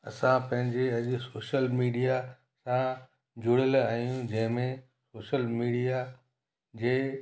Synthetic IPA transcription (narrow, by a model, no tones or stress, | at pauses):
ɐ̰sãpɐ̃ɦɪ̃ɲd͡ʑeɐʄʊ̆soːʃəlmiːɖija | sã | d͡ʑʊɽəlaːjũd͡ʑɐ̃ɦɪ̃mẽ | soːʃəlmiːɖija | d͡ʑeː